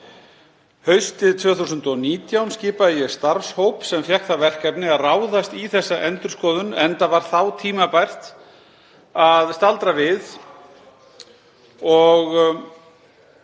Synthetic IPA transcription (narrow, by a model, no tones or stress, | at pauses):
hœɥst̪ɪðt̪ʰvœːθusʏnt̪ɔniːt̪jawnscɪːpaðjɛɣst̪aɾfshowpsɛmfjɛhkθavɛr̥kɛpnɪaðraːwðast̪iθɛsːaʔɛnt̪ʏɾ̥skɔːðʏnɛnt̪avaɾ̥θawt̪ʰiːmapajr̥t̪ | aðst̪alt̪ɾavɪð | ɔɣ